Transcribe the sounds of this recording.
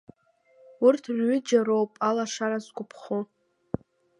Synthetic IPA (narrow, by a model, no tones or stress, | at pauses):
ʊrtʰrɥʏd͡ʒaɾowpʼalaʂaɾazkʷʼʊpʰχʊ